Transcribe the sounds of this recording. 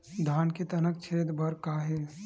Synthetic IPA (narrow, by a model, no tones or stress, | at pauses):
d̪ʱaːnket̪ɐnək̚t͡ʃʰeːt̪bʱɐɾkaːɦeː